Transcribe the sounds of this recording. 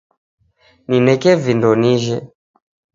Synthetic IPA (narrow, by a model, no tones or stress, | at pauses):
ninɛkɛvindɔniʒɛ